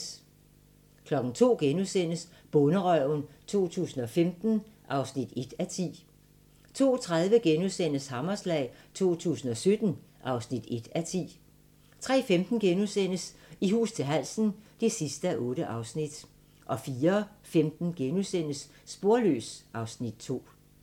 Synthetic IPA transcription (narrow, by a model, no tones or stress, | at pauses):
kʰlɒ̽ɡ̥n̩t͡sʰo̝̰ːɡ̥enusen̰əs | b̥ɔ̽nəʁɒʊnt͡sʰo̝̰ːt͡sʰṵːsn̩ɒ̽femd̥n̩ʔɑ̈ʊsnid̥e̝d̥æt͡sʰḭː | t͡sʰo̝̰ːt͡sʰʁað̞ˠʋəɡ̥enusen̰əshɑ̈mɐslɛ̰ːɪt͡sʰo̝̰ːt͡sʰṵːsn̩ɒ̽sød̥n̩ʔɑ̈ʊsnid̥e̝d̥æt͡sʰḭː | t͡sʰʁɛ̰ːfemd̥n̩ɡ̥enusen̰əsiɦṵːst͡sʰe̝lɦæl̰sn̩d̥e̝sisd̥əæʔɔ̽ːɾ̥əʔɑ̈ʊsnid̥ | ʔɒ̽fiːɐfemd̥n̩ɡ̥enusen̰əsː | b̥o̝ɐlø̰ːsʔɑ̈ʊsnid̥̚t͡sʰo̝̰ː